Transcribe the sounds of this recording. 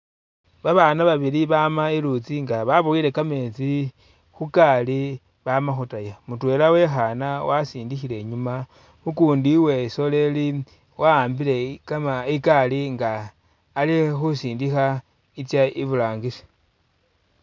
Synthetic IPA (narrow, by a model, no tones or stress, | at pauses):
βaβaːnaβaβiliβamailut͡siŋɡaβaβuiɾe̞kame̞ːt͡si | xukali | βamaxutajamutwe̞ːlawe̞xanawasiːndixile̞ɲuma | mukuːndiwe̞so̞le̞li | waːmbile̞kamaikaliŋɡaː | lixusiːndixa | it͡sjaiβulaːŋɡise̥